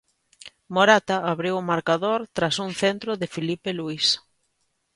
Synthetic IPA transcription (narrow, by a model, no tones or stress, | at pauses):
moɾat̪aːβɾiwʊmaɾkaðoɾt̪ɾasuŋθent̪ɾoðɪfilipeluis